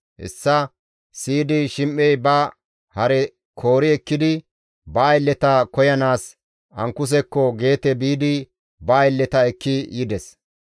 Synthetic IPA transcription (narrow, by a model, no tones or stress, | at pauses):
ʔɛ̰sːɐ | siːd̪ɪʃɪmʔɛjbɐ | hɐɾɛ | kʰo̞ːɾɪɛkːɪd̪ɪ | bɐːjlːɛt̪ɐkɔjɐnaːs | ɐŋkːʊs̬ɛkːɔɡe̞ːt̪ɛbiːd̪ɪ | bɐːjɪlːɛt̪ɐɛkːɪjɪd̪ɛs